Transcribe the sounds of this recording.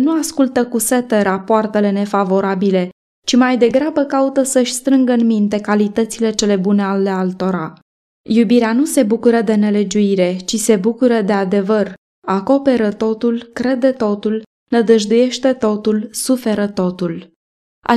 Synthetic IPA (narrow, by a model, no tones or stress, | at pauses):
nuaskult̪əkuse̞t̪eɾapoart̪e̞le̞ne̞favo̞ɾabile̞ | t͡ʃimajd̪e̞ɡɾabəkaut̪əsəʃʲst̪ɾɨŋɡəɨnmint̪e̞kalit̪ət̪sile̞t͡ʃe̞le̞bune̞alealt̪o̞ɾa | jubiɾeanuse̞bukuɾəd̪e̞ne̞le̞d͡ʒuiɾe̞t͡ʃise̞bukuɾəd̪e̞ad̪e̞vər | ako̞pe̞ɾət̪o̞t̪ulkɾe̞d̪e̞t̪o̞t̪ul | nəd̪əʒd̪uje̞ʃt̪e̞t̪o̞t̪ulsufe̞ɾət̪o̞t̪ul | ʔa̰